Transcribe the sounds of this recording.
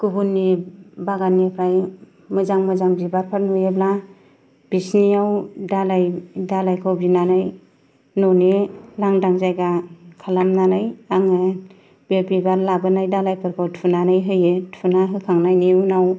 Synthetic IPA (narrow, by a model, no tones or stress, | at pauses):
kubunːibaɡanːipʰɾaj | mɯzaŋmɯzaŋbibaɾpʰaɾnujebla | b̥isniawdalajdalajkʰawbinanɯj | nɔnelaŋdaŋzajɡakʰalamnanɯjaŋɯ | bebibaɾlabɯnajdalajpʰɯɾkʰawtʰunanɯjɦɯjɯtʰunaɦɯkʰaŋnajniunaw